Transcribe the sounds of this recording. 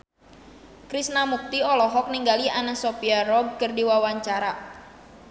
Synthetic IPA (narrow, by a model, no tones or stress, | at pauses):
kɾisnamuk̚t̪iɔlɔɦɔk̚niŋɡalianasɔpiarɔɡ̚kərdiwawaɲt͡ʃaɾa